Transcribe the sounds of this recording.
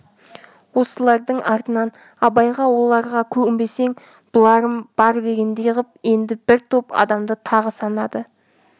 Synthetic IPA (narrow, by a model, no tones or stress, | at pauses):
wo̞səlˠɑɾd̪əɴɑɾt̪ənɑn | ɑbɑjʁɑwo̞lˠɑɾʁɑkʲʰɵɡʲɪmbe̞se̞ŋ | b̥ʊlˠɑɾəmb̥ɑɾd̪e̞ɡʲe̞nd̪e̞jəʁəp̚e̞nd̪ɪbɪɾt̪ʰopɑ̰d̪ɑmd̪ət̪ʰɑʁəsɑnɑd̪ə